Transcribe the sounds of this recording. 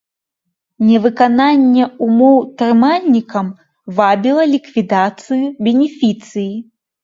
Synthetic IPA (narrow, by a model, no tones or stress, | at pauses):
nʲɛvɨkananʲːɛumɔwt̪ɾɨmalʲnʲikɐm | vabʲilˠɐlʲikvʲid̪at̪sɨjubʲɛnʲɛfʲit̪sɨji